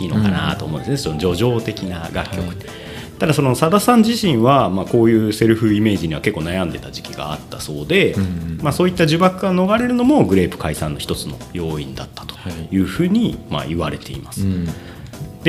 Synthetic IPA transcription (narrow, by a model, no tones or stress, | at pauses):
iːno̞kana̰t̪oːmõ̞nesnesonod͡ʑo̞ʑo̞ːt̪e̞kʲinaɡakʲːo̞kɯ̟t̪ːe | t̪ad̪aso̞no̞sad̪asãɲ̟d͡ʑiɕĩɰ̃βamaːko̞ːjɯ̟ːse̞ɾɯ̟ɸɯ̟ime̞ːʑiɲ̟iβake̞kːoːnajãnd̪e̞t̪ad͡ʑi̥kʲiɡa̰ːt̪ːaso̞ːd̪e̞maso̞ːit̪ːaʑɨbakɯ̟ɡano̞ɡaɾe̞ɾɯ̟no̞mo̞ɡɯ̟ɾe̞ːpɯ̟̥kaisãnːo̞çi̥t̪o̞t͡sɨno̞̰jo̞ːĩnd̪at̪ːḁt̪o̥jɯ̟ːɸɯ̟ːɲ̟ima̰iβaɾe̞t̪e̞̰ḭmasɨ̥ | d̪̥e